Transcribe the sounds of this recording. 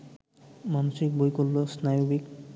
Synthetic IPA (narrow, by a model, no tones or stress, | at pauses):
manosik̚bojkolːosnajobik